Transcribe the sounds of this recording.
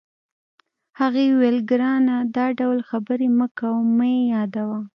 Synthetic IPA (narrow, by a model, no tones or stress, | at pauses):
haɣewelɡɾɑnad̪ɑɖawlxabəɾeməkawmajejɑd̪awa